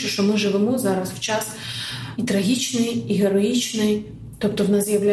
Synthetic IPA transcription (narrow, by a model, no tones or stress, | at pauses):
ɪʃtɔmɨʐɨʋɪmɔzaɾɐswt͡ʃas | it̪ɾɐɣʲit͡ʃnɨjiɦɛɾɔit͡ʃnɪj | t̪ɔp̚t̪ɔwnasjɐwlʲa